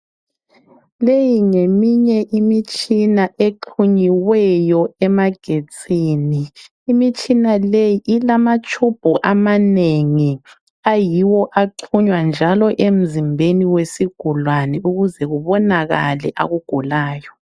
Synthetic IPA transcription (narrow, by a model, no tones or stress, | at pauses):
lejiŋemiɲɛʔimit͡ʃʼinaʔeǃʰuɲiwɛjɔɛmaɡ̥ʱet͡sʰʼiːniː | mit͡ʃʼinalejiʔilamat͡ʃʰʼub̥ʱuʔamaneŋi | ajiwɔʔaǃʰuɲwand͡ʒʱalɔʔem̩zimbʱeniwesiɡ̥ʱulwanɛuɣuzɛɣuβɔnaɣa̰lɛ̰ʔa̰ɣuɡ̥ʱulaːjɔ